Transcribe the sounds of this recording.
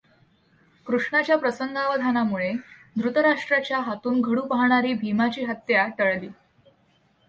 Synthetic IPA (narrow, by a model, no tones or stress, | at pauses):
kɾuʂɳat͡ɕjapɾəsəŋɡʱaʋəd̪ʱanamuɭed̪ɾut̪əɾaʂʈɾat͡ɕjaɦat̪uːnɡʱəɽuːpəɦɳ̃aɾiːbʱimat͡ɕiːɦət̪jaʈəɭliː